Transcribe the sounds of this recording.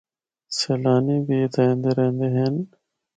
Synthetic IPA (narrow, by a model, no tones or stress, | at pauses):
selaːniːbiːt̪ɐɦẽːnd̪eːɾẽːnd̪eɦen